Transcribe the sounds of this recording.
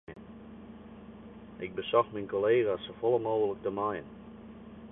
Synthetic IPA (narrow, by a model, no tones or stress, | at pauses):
ən | ʔɪk̚bəsɔxminkoleːɣasofolˠəmoːɣələk̚təmajə̰n